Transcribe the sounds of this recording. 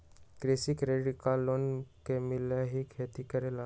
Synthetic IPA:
kɾeːsikɾeːɖikalːoːnkemɪljaɦikʰeːt̪ikəɾela

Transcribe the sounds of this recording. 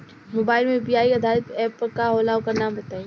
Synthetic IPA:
moːbaːɪlmẽpiaːiɐd̪ʱaːɾɪt̪ɛːpkaɦoːlaːokanaːmbɐt̪aːe

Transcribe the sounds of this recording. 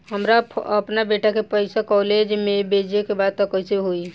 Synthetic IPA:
ɦəmɾaəpnabeʈakepəɪsakɔled͡ʒmebed͡ʒekebad̪̚t̪ɔkɔɪseɦoi

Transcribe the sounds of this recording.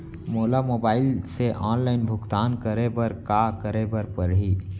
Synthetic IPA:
moːlamoːbaːɪlseʔɔːnlaːɪnbʱʊkt̪aːnkəɾebɐɾkakəɾebəɾpəɾɦi

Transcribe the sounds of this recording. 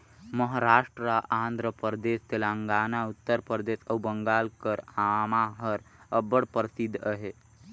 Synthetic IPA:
məɦəɾaːʂʈɾɾaʔaːnd̪ʱɾəpəɾd̪est̪elaŋɡaːnaut̪ːəɾpəɾd̪eːsəwbəŋɡaːlkəɾamaɦəɾəbəɽpəɾsid̪ʱːəɦe

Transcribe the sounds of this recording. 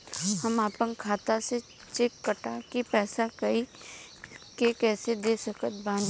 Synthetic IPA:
hɐmaːpənkʰaːt̪ase | t͡ʃekːəʈakipɛːsakɐi | kekɛːsed̪eːsɐkət̪̚bãːd͡ʒ

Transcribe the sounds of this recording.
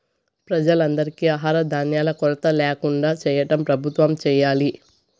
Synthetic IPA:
pɾɐd͡ʒɐlɐnd̪ɐɾikiaːɦaːɾɐd̪ʱaːnjaːlɐkɔɾɐt̪ɐlɛːkuɳɖaːt͡ʃɛːjɐʈɐmpɾɐbʱut̪ʋɐmt͡ʃɛːjaːli

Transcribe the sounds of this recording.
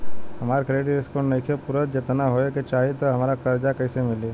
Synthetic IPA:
hɐmaːɾkɾeːɖiɾɪskoɳnɐkʰepʊɾət̪d͡ʒɪt̪naɦoeket͡ʃaːɦiet̪oɦɐmaːɾakɐɾd͡ʒakɐːsemɪliː

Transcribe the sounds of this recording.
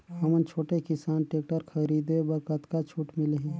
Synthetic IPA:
ɦəmənt͡ʃʰoːʈekɪsaːnʈeːk̚ʈəɾkʰəɾiːd̪ebəɾkət̪kat͡ʃʰuːʈmɪleɦiː

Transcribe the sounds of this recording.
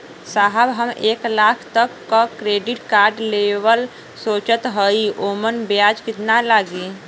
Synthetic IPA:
saːɦəbɦəmeːklaːkʰt̪əkːakɾeːɖɪʈkaːɾɖlewəl | soːt͡ʃət̪ɦəioːmənbjaːd͡ʒkɪt̪nalaːɡiː

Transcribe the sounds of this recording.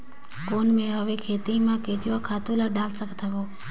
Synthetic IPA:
konmẽɦəʋekʰeːt̪imãket͡ʃʋakʰat̪ulaɖalsəkʰt̪ʰəʋo

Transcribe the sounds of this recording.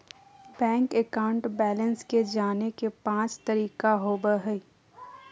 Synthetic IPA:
bɛ̃ːŋkekaːʊ̃ɳʈbɛːlənsked͡ʒaːnekepãːt͡ʃt̪ɐɾiːkaɦoːbəɦəi

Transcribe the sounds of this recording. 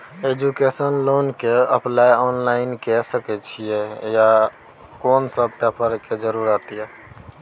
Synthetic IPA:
ed͡ʒukesənloːnkeəplajɔːnlaːɪnkɛsəkɛt͡ʃʰijɛja | koːnsəb̚ʈɛpəɾked͡ʒəɾuɾət̪jɛ

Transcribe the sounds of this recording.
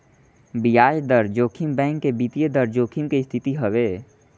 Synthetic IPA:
bijaːd͡ʒd̪əɾd͡ʒoːkʰimbɛ̃ːŋkːebiːt̪ijəd̪əɾd͡ʒoːkʰimkest̪ʰɪt̪iɦəʋeː

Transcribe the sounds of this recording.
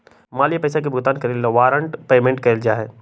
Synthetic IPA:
maːlijapɐːsak̬ebʱʊɡt̪aːnkɐɾilːaʋaːɾə̃ɳʈpeːmẽɳʈkɐld͡ʒaːɦɛː

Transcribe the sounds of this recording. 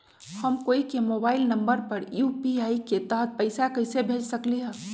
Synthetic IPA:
həmkoːikemoːbaːɪlnəmbəɾpəɾjupiaːiket̪aɦət̪̚pəɪsakəɪsebʱeːd͡ʒsəkliɦɛ̃ː

